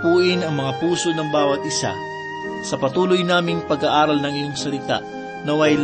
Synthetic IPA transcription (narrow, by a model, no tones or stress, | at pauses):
puːʔɪnɐŋmɐŋapuːso̞nɐŋbaːwɐt̪̚ʔɪsa̰ | sɐpɐt̪uːlojnaːmɪŋpɐɡaʔaːɾɐlnɐŋɪjo̞ŋsɐlɪt̪a̰ʔ | nɐwɐjl